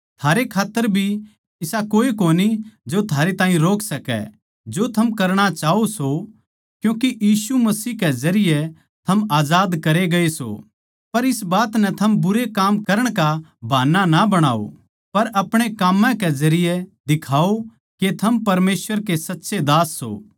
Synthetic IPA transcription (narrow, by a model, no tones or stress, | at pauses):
t̪ʰaːɾekʰaːt̪ːəɾbʱi | ɪsakoːikoːnid͡ʒot̪ʰaːɾet̪ãːĩɾoːkʰsɐkɛ̰ | d͡ʒot̪ʰɐmkɐɾɽ̃at͡ʃaːoso | kjũːkijiːsumɐsiːkɛzɐɾɪjɛ | t̪ʰɐmaːd͡ʒaːd̪kɐɾeɡɐeso̰ | pɐɾɪsbaːt̪nɛt̪ʰɐmbʊɾekaːmkɐɾəɽ̃kabʱaːnːanabɐɽ̃aːo̰ | pɐɾʔɐpɽ̃ekaːmːãkɛzɐɾɪjɛd̪ɪkʰaːo | ket̪ʰɐmpɐɾmeːsʋəɾkesɐtːʃed̪aːsːo̰ː